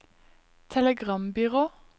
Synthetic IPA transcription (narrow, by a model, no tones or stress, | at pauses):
t̪ʰɛləɡʁɑmbʏʁoː